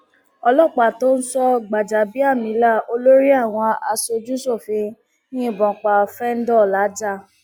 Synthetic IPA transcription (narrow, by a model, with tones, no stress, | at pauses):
ɔ˧lɔ˦˨k͡pa˨to˦ñ̩˦sɔ˦ɡ͡ba˨d͡ʒa˨bi˦a˦˨mĩ˨˦la˦˨o˧lo˦ɾi˦a˦˨w̃ɔ̃˧a̰˧so˧d͡ʒu˦so˦˨fĩ˧ | nĩ˦˨bɔ̃˨k͡pa˧ɔ˧fɛ˦n̩˦dɔ˦˨la˨˦d͡ʒa˦˨